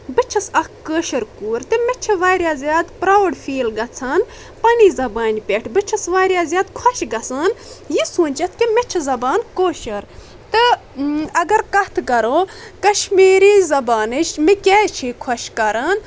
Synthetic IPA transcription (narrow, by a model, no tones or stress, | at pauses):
bɨt͡ʃʰɐsɐkkəːʃɐɾkuːɾt̪ɨmet͡ʃʰɐʋaːɾʲjaːzʲjaːd̪pɾaːʋɽfiːlɡɐt͡sʰaːn | pɐniːzɐbaːnʲpʲeʈʰbɨt͡ʃʰɐsʋaːɾʲjaːzʲjaːd̪kʰɐʃɡɐsaːnjisuːnʲt͡ʃɐt̪ʰkimet͡ʃʰɐzɐbaːnkoːʃɐɾ | t̪ɨ | ɐɡɐɾkɐt̪ʰkɐɾoːkɐʃmiːɾiːzɐbaːnɨʃmikʲɛːt͡ʃʰiːkʰɐʃkɐɾaːn